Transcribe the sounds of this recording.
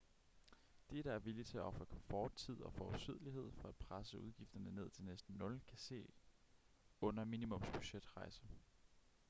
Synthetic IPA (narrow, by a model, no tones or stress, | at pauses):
d̥e̝ɾ̥ɑ̈æɐʋilit͡sʰe̝æɒ̽fʁɐkʰɒ̽mfɒ̰ːd̥̚t͡sʰið̞̰ˠɒ̽fɒðˠsið̞̰ˠliɦe̝ð̞̰ˠfɒ̽æd̥pʰʁasəuð̞ˠɡ̥ifd̥ɐnəne̝ð̞̰ˠt͡sʰe̝lnesd̥n̩ːɔ̽lkʰæse̝̰ː | ɔ̽n̰ɐminimɔ̽msb̥yɕed̥ʁɑ̈ɪsə